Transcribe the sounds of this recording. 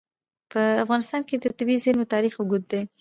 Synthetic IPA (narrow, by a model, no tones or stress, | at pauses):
pəafɣɑnɪst̪ɑnked̪ət̪ɪbizɪnot̪ɑɾixʊɡud̪̚d̪e